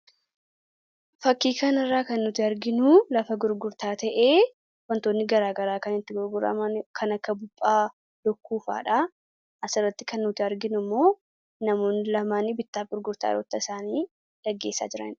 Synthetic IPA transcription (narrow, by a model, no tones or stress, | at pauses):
fɐkːiːkɐnɐrːaːkɐnːʊt̪ɪɐɾɡɪnʊlɐfɐɡʊɾɡʊɾt̪aːt̪ɐʔe̞ː | wɐnt̪oːnːɪɡɐɾaːɡɐɾaːkɐnɪt̪ːɪɡʊɾɡʊɾɐ̰mɐnkʰɐnɐkːɐbʊpʼːaː | d̪̥ɔkːuːfa̰ːᶑɐ | ʔɐsɪrːɐt̪ːɪ̥kɐnːʊt̪ɪɐɾɡɪnʊmːo̞ː | nɐmo̞ːnːɪlɐmaːnibɪt̪ːaːfɡʊɾɡʊɾt̪a̰ːɾɔt̪ːɐɪsaːniː | ᶑɐɡːe̞ːsːa̰ːd͡ʒɪɾɐ̰n